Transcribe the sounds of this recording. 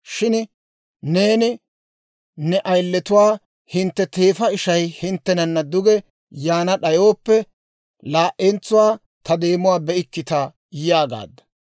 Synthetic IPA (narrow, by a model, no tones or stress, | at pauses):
ʃɪn | ne̞ːnɪ | nɛʔɐjlːɛt̪ʊwaː | hɪnt̪ːɛt̪e̞ːfɐɪʃɐjhɪnt̪ːɛnɐnːɐd̪ʊɡɛ | jaːnɐɗɐjo̞ːpːɛ | laːʔɛnt͡sːʊwaː | t̪ʰɐd̪e̞ːmʊwaːbɛʔɪkːɪt̪ɐ | jɪjaːɡa̰ːd̪ːɐ̥